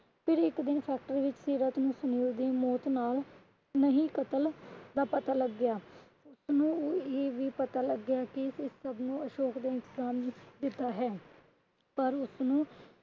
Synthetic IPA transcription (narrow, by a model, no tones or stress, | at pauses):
pʰɪɾɪkd̪ɪnpʰɛːk̚ʈəɾiːʋɪt͡ʃsiːɾət̪nũːsʊniːɾd̪iːmɔːt̪naːl | nəɦĩːkət̪əld̪aːpət̪aːləɡːɪjaː | ʊsnũːoːeːʋiːpət̪aːləɡɪjaːkɪɪsːəbnũːəʃoːkd̪eːɪnt̪ɪzaːmd̪ɪt̪ːaːɦɛː | pəɾʊsnũː